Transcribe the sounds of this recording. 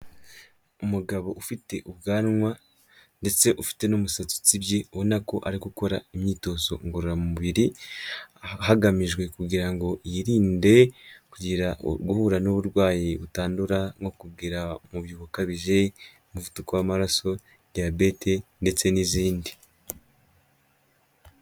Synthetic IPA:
umuɡaβo̞ʔufite̞ʔubɡaːnŋwa | nde̞t͡se̞ʔufi̥te̞nomusat͡su̥t͡sibjewenako̞̰ʔaɾikuko̞ɾaimɲiːto̞ːso̞̰ŋɡoɾuɾamumuβiɾi | haɡamiʒɡwe̞kuɡiɾaŋɡo̞jiɾiːnde̞kuɟiɾaɡuhuɾanoβuɾɡwaːjiβutaːnduɾaŋo̞kubɡiːɾamuβjuβakaβiʒe̞ | muvutukowamaɾaso̞ | dijabe̞te̞nde̞t͡se̞niziːndi

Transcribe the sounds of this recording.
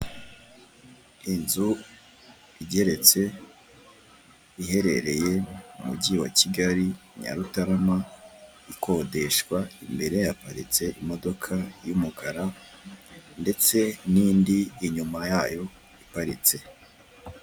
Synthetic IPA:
inzu | iɟe̞ɾe̞t͡se̞ | ihe̞ɾe̞ɾe̞je̞umṵɟiwa̰ciɡaɾiɲa̰ɾutaɾama | ikʰo̞de̞ʃkwaimbe̞ɾe̞japaɾḭt͡se̞ʔimo̞do̞kʰajumuɡaɾa | nde̞t͡se̞niːndiːɲumajaːjo̞ | ipaɾḭt͡se̞

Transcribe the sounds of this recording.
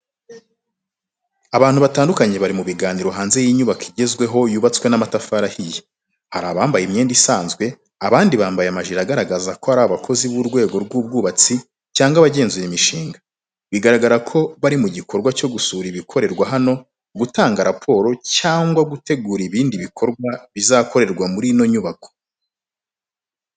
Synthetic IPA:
aβaːnhuβataːndukaɲe̞βaɾimuβiɡaːniɾoɦaːnze̞jiːɲuβakʰiɟe̞zɡwe̞ɦo̞juːβat͡skwe̞namatafaɾahije | haɾaβaːmbajimɲe̞ːndisaːnzɡwe̞ | aβaːndiβaːmbajeamaʒiɾaɡaɾaɡazako̞aɾaaβakʰo̞ziβuɾɡwe̞ːɡo̞ɾɡuːb̚ɡuːβat͡si | caːŋɡaβaɟe̞ːnzujemiʃiːŋɡḁ | βiɡaɾaɡaɾakʰo̞βaɾimuɟikʰo̞ɾɡwaco̞ɡusuːɾiβikʰo̞ɾe̞ɾɡwaɦano̞ | ɡutaːŋɡaɾapʰo̞ːɾo̞caːŋɡwaɡute̞ɡuːɾiβiːndiβikʰo̞ɾɡwaβizako̞ɾe̞ɾɡwamuɾino̞ɲuβakʰo̥

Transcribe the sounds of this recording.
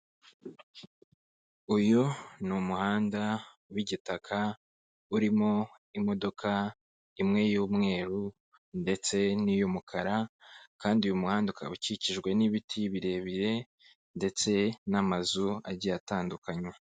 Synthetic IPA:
ujunumuhaːnda | wiɟitakʰa | uɾimo̞ | imo̞do̞kʰa | imŋe̞juːmŋe̞ːɾu | nde̞t͡se̞nijumukʰaɾakaːndiujumuhaːnduka̰uciciʒɡwe̞niβitʰiβiɾe̞βiɾe̞ | nde̞t͡se̞namazua̰ɾɟataːndukaɲwe

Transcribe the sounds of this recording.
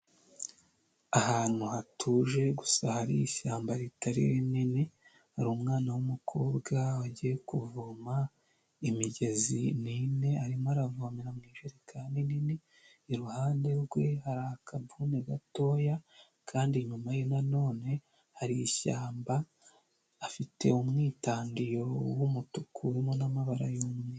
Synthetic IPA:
ahaːn̥uhatʰuːʒe̞ɡusahaɾḭjiçaːmbaɾitaɾḭɾinini | haɾuːmŋaːnawumukʰo̞ːbɡawaɟije̞kuvuma | imiɟe̞zinine̞aɾimoaɾavumiɾamŋiːʒuɾekʰandininiː | ɾuhaːnde̞ɾɡwehaɾakʰabuneɡato̞ːja | kʰaːndiɲumajenano̞ːne̞ | haɾiiʃaːmbaː | fite̞̰umŋiːtaːndijo̞wumutukʰuɾemonamaβaɾajoːmŋe

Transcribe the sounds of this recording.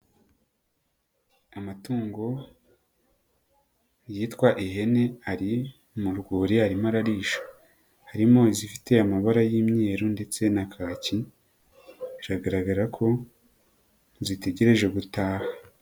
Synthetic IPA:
amatuːŋɡo̞ | jiːtkwaʔiɦe̞ne̞aɾi | muɾɡuːɾiaɾimaɾaɾiːʃḁ | haɾimo̞zifi̥te̞amaβaɾajiːmɲe̞ːɾonde̞t͡se̞nakʰaːci | zaɡaɾaɡaɾakʰo̞ | zite̞ɟe̞ɾe̞ʒe̞ɡutaːha

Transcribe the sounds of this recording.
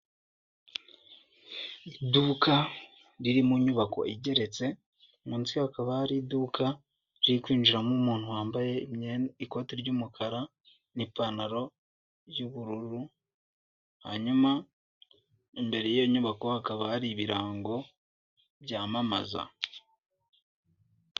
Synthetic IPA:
iduka | ɾiɾimuɲuβako̞̰ʔiɟe̞ɾe̞t͡se̞ | munt͡sihakaβahaɾiduːkʰa | ɾiikwiːnd͡ʒuɾamumuːn̥huwaːmbaje̞mɲeiko̞tiɾɟuːmukʰaɾa | nipanaɾo̞ | ɾjuβuɾuɾu | ha̰ɲuma | imbe̞ɾejijoɲuβako̞hakaβahaɾiβiɾaːŋɡo̞ | bɟaːmama̰za̰

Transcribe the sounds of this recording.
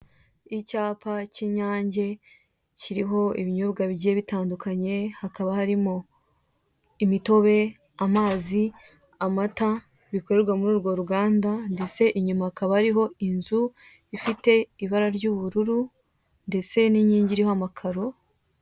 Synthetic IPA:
icaːpʰaciɲaːɲɟe̞ | ciɾiɦo̞iβiɲo̞βɡaβiɟieβitaːndukʰaɲe̞hakaβahaɾimo | imito̞βe̞ | amaːzi | amata | βiko̞ɾe̞ɾɡwamuɾuːɾɡo̞ɾuɡaːndande̞t͡se̞ʔiɲumahakaβahaɾiɦo̞inzu | ifite̞iβaɾaɾɟuːβuɾuɾu | nde̞t͡se̞niɲiːɲɟiɾihoamakʰaɾo

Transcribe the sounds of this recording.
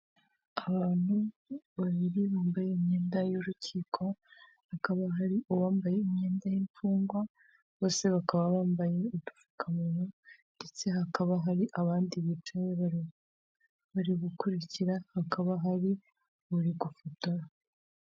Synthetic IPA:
aβaːn̥huβaβiɾiβaːmbajeimɲe̞ːndajoɾuciːkʰo̞ | hakaβaɦaɾiuwaːmbaje̞imɲe̞ːndajiɱfuːŋɡwa | βo̞ːse̞βakaβaβaːmbaje̞itu̥fu̥kʰamunonde̞t͡se̞ɦakaβaɦaɾiʔaβaːndiβit͡ʃajeβa | βaɾiβukuɾiciɾahakaβaɦaɾi | βuɾiɡufotaɾa

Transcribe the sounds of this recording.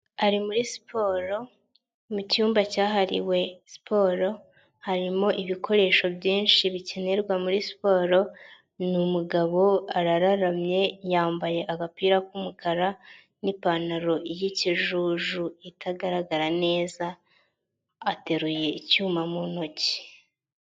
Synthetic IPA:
aɾimuɾisi̥pʰo̞ːɾo̞ | mucuːmbacaːɦaɾḭwe̞si̥pʰo̞ːɾo̞ | haɾimo̞ʔiβikʰo̞ɾe̞ːʃo̞bjiːnʃiβice̞ne̞ɾɡwamuɾisi̥po̞ːɾo̞ | numuɡaβo̞aɾaɾaɾamɲe̞jaːmbaje̞ʔaɡapiːɾakumukʰaɾa | nipanaɾo̞ijiciʒuːʒuitʰaɡaɾaɡaɾane̞ːza | te̞ɾuje̞icuːmamuno̞ci̥

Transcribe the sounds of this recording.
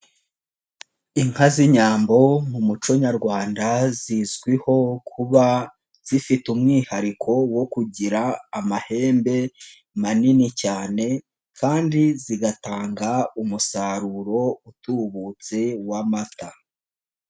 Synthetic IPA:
iŋ̥haziɲaːmbo̞mumut͡ʃo̞ɲaɾɡwaːndazizɡwiho̞kʰuβa | z̥ifitumŋiːhaɾikʰo̞wo̞kuɟiɾaːmahe̞ːmbe̞ | maninicaːne̞ | kʰaːndiziɡataːŋɡaumusaɾuɾo̞utuːβut͡se̞wamata

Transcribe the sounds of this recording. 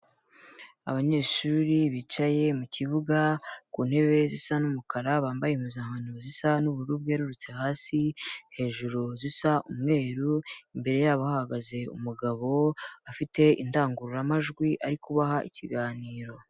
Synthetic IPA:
a̰βaɲe̞ːʃuɾiβit͡ʃaje̞muciβuɡakuːn̥he̞βe̞zisanumukaɾaβaːmbajemuzaːmanuzisanuβuɾubɡeːɾuɾut͡sehaːsihe̞ːʒuɾuzisaʔumŋe̞ːɾuimbe̞ɾe̞jaβahahaɡaze̞ṵmuɡaβo̞afite̞indaːŋɡuɾuɾamaʒɡwiʔaɾikuβaɦaʔiciɡaːniːɾo̞

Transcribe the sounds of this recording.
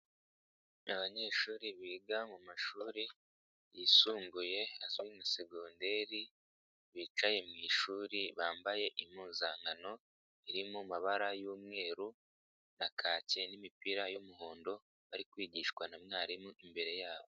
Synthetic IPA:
aβaɲe̞ːʃuːɾiβiɡamumaʃuːɾi | jisuːmɡuje̞azwinaseɡoːnde̞ɾi | βit͡ʃaje̞mŋiʃuːɾiβaːmbaje̞ʔimuːzaːŋɡano̞ | iɾimumaβaɾajuːmŋe̞ːɾu | nakʰaːce̞nimipiɾajumuɦoːndo̞ | βaɾikwiːɟiʃkwanamŋaːɾimuʔimbe̞ɾe̞jaːβo

